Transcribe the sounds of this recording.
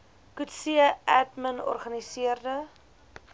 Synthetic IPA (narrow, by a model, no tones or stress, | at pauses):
kutsiəʔætmənɔ̰rχɐnisiərdə